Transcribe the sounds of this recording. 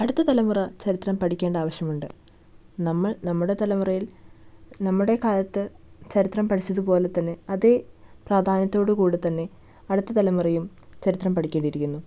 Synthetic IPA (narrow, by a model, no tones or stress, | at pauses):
ɐɽut̪ːɐt̪ɐlɐmurɐt͡ɕɐɾit̪rɐmpɐʈʰikʲːeːɳɖaːʋɐɕjɐmuɳɖɨ | nɐmːɐɭnɐmːuɽe̞t̪ɐlɐmurɐjil | nɐmːuɽe̞kaːlɐt̪ːɨt͡ɕɐɾit̪rɐmpɐʈʰit͡ɕːɐðɨpo̞ːle̞t̪ːɐnːe̞ɐðepraːd̪ʱaːnɐt̪ːo̞ːɽɨkuːɽet̪ɐnːe̞ | ɐɽut̪ːɐt̪ɐlɐmurɐjum | t͡ɕɐɾit̪rɐmpɐʈʰikʲːeːɳɖiɾikʲːunːu